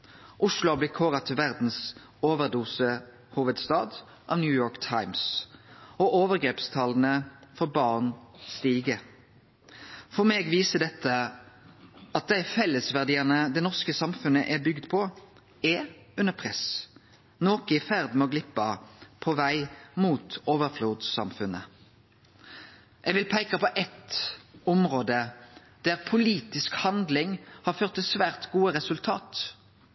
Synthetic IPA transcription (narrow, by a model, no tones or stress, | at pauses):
ʔʊʂlʊɑblɪkʰoːʁɑt̪ʰɪlʋæʁd̪n̩s | oːʋəɾd̪uːsə | huːʋəd̪st̪ɑːd̪ | ʔɑ̰ʋnjʉːjoːɾkt̪ʰaɪms | ɔʔoːʋəʁɡɾeːpst̪ʰɑlənəfɔɾbɑːʁnst̪iːɡə | fɔʁmeːɡʋiːsəd̪ɛt̪ʰːə | ɑt̪̚d̪æɪfɛlːəsʋæʁd̪iːənəd̪ɛnɔʁskəsɑmfʉnəʔæbʏɡd̪pʰɔ | ɛ | ʉnəpʰʁɛs | noːkəɪfæʁd̪mɛɔɡlɪpːɑpʰɔʋæɪmuːt̪oːʋəʁfluːd̪sɑ̰mfʉnə̰ | ʔɛɡʋɪlpʰæɪkɑpɔʔɛt̪ɔmʁoːd̪ə | d̪̥æʁpʰʊliːt̪ɪskhɑnd̪lɪŋhɑʁføːʁt̪ːɛsʋæːʁt̪ɡuːəɾɛsʉlt̪ʰɑːt̪